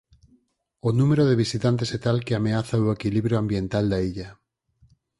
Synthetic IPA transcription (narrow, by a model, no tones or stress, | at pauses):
onũmeɾoðeβisit̪ant̪̬esɛt̪alkeameaθaoekiliβɾjoambjent̪ald̪aiʎɐ